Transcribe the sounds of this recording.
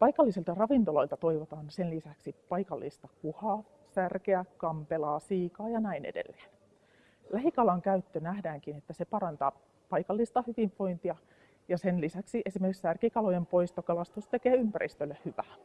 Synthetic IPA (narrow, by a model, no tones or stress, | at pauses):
pɑjkɑlːisilt̪ɑrɑʋint̪olo̞ilt̪ɑt̪o̞iʋot̪ɑːnsenlisæksipɑikɑlːist̪ɑkuhɑː | særkeækɑmpelɑːsiːkɑːjɑnæinḛdḛlːe̥ːn | læɦikɑlɑŋkæyt̪ːønæhdæːŋkinet̪ːæsepɑɾɑnt̪ɑ | pɑikɑlːist̪ɑhyʋiɱpo̞int̪iɑ | jɑsenlisæksiʔesimerkiksærkikɑlojempo̞ist̪ɑkɑlɑst̪ust̪ekeːympærʔḭst̪ølːehhyʋæː